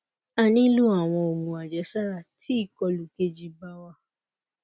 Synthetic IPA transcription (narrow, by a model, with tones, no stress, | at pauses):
a˧˨nĩ˦lu˦a˦˨w̃ɔ̃˧o˨mũ˨a˨d͡ʒɛ˨˦ʃa˦ɾa˦˨tʰi˨˦i˦˨kɔ˧lu˨ke˧d͡ʒi˧ba˦wa˦˨